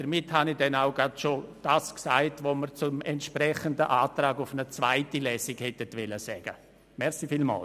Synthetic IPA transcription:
d̥əɾmɪthanidɛnaʊɡɾadʃod̥aːsksaɪtvoməɾt͡sʊmɛntʃprɛχəndəʔaːtraːɡʊfnət͡svaɪtilɛːsiɡhɛtətʋɛləsɛːɡ̥ə | mɛɾsifiːlma̰ːl

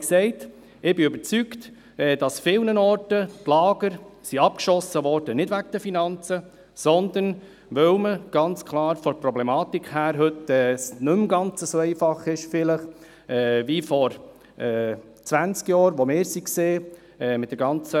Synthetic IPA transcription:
ksɛɪt | ɪbɪʏbəɾt͡sykt | ɛːd̥ɑsfɪlnənɔɾtətlɑːɡ̥əɾsiɑp̚kʃɔsəʋɔɾd̥ənɪdʋæk̚d̥əfinɑnt͡sə | sɔnd̪ən | ʋœwməɡ̥ɑnt͡skʰlɑːɾfɔɾpɾɔblɛmɑːt̪ikʰhæːɾɦɵtɛːsnɵmɡɑnt͡səsoɛɪfɑχɪʃfɪləχ | ɛːvifɔɾ | ʔɛː | t͡sʋænt͡skjɑːɾʋomɪːɾsikseː | ɛːmɪtdəɾɡɑnt͡sə

